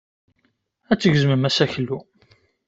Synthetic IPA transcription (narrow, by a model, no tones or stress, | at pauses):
æt͡sːəʝzməmæsæçlːu